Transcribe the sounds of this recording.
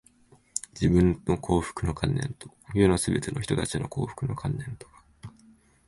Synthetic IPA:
d͡ʑibɯ̟̃nːo̞kʰo̞ːɸɯ̥kɯ̟no̞kʰãnːẽ̞̰nt̪o̞̥jonosɨbe̞t̪e̞no̞çi̥t̪o̞t̪at͡ɕinʔo̞ko̞̰ːɸɯ̟̥kɯ̟no̞̰kʰãnːẽ̞nt̪o̥ɡḁ

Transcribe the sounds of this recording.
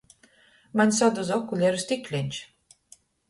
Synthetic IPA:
manʲsad̪ozɔkulʲɛɾst̪iklʲenʲt͡ʃ

